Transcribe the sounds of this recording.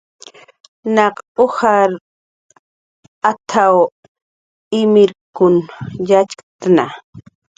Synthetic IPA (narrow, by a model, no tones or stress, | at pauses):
nɑqohaɾ | at̪ʰaw | ɪmɪɾkʊnjat͡ʃkt̪ana